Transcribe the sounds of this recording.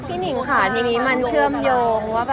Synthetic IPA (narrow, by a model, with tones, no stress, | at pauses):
t̪ʰiː˥˩ni˨˩˦ŋkʰaː˨˩˦ja˨˧˩ŋiː˦˥ma˧nt͡ɕʰɯ˥˩əmjoː˧ŋwaː˥˩b